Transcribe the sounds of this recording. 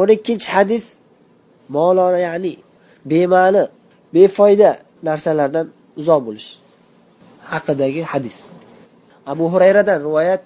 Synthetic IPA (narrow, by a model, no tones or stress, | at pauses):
ʊnaɪkʲːɪnt͡ʃʰɪhad̪ɪs | mɒlˠɒnajaʕnɪ | be̞malɪ | be̞fɒjd̪a | naɾsalaɾd̪an | ʊzɒhbolɪʃ | hɑqʰɨd̪aɡʲɪhad̪ɪs | abʊɦʊɾajɾad̪anɾɪvɒjat̪̚